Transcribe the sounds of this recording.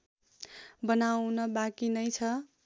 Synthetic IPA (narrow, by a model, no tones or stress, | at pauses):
bʌnawnʌbakinʌjt͡sʰʌ